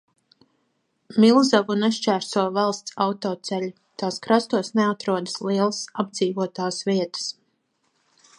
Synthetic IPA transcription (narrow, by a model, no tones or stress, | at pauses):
milˠzavnɛʃt͡ʃæːɾsuɔvalˠst̪sawt̪ɔːt̪sɛlʲu | t̪aːskɾast̪uɔsnɛat̪ɾuɔd̪əsliɛlˠəsab̚d̪ziːvuɔt̪aːsviɛt̪ə̥s